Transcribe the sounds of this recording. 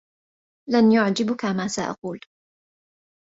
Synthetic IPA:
lanjʊʕd͡ʒɪbkamaːsaʔɑ̰quːl

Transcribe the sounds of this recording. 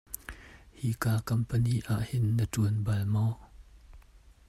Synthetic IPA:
hiːkaːkɐmpəniːʔaːʔhɪnːətuənbɐlmɔ

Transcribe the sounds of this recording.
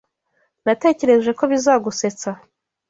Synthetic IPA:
nate̞ːce̞ɾe̞ʒwe̞ko̞βizaːɡuse̞t͡sa

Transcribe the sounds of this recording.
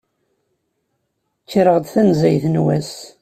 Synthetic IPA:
t͡ʃːɾəʁd̪θænzæjθnwæs

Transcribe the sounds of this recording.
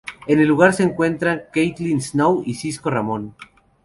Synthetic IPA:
e̞ne̞lːuɣaɾse̞ːŋkwe̞nt̪ɾaŋkejt̪linsnowisisko̞ramõ̞n

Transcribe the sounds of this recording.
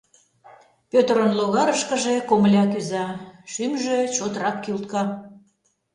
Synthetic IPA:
pʲøt̪əɾənloɣɑɾəʃkəʒekoməlʲɑkyzɑʃymʒet͡ɕot̪rɑkːilt̪kɑ

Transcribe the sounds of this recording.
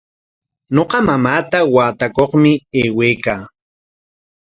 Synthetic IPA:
ɲoqɑmamaːt̪awaːt̪akoχmɪeːweːkaː

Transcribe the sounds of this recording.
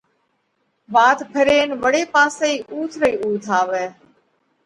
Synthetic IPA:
ʋaːt̪pʰəɾeːnʋəɽeːpãːseːiːʔuːt̪ʰɾəiːuːt̪ʰaːʋɛː

